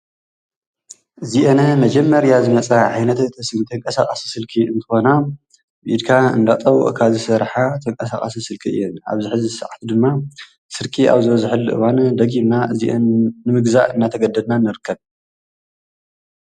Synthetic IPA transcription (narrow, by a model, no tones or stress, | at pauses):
ʔɨziʔenɐmɐd͡ʒɐmːɐɾjazɨmɐt͡sʼɐʕajnɐt̪t̪ʰsnt̪ʰɐŋkʼɐsaχʼasi̥sɨlkʰiɨ̰nt̪ʰɨ̥xo̞na | bid̪kʰaɨ̰nd̪at̪ʼɐwɔ̰ʔkʰazɨsɐɾħat̪ʰɐŋkʼɐsaχʼa̰sisɨlkʰiɨ̰jːɛna̰βzɨħɨzisɨʕt̪ʰud̪ɨmːa | sɨɾkʼiʔa̰βzɨβɐzħɨlːɨʔɨ̰wand̪ɐɡinnaʔɨziʔɐnːɨmɨɡzaʔɨnːat̪ʰɐɡɐd̪ːɐd̪nanːɨɾɨkʰːɐβ